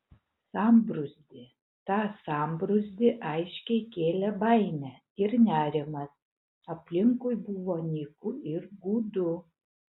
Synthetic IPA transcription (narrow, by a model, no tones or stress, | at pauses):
sɑːmbɾʊzʲd̪ʲɪ | t̪ɑːsɑmbɾʊzʲd̪ʲɪʔɐɪʃʲkʲɛɪkʲeːlʲɛbɐɪnʲɛ | ɪɾnʲæːɾʲɪmɐs | ɐpʲlʲɪŋkʊjbʊʋoːnʲikʊɪɾɡuːd̪ʊ